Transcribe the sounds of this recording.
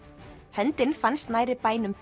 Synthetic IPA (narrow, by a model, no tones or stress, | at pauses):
hœnt̪ɪnfanst̪naːjɾɪpaːjnʏm